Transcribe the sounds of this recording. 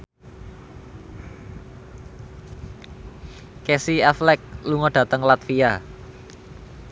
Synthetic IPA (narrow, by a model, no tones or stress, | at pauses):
kesiɛflɛk̚luŋɔɖ̥ä̤t̪əŋlat̪fia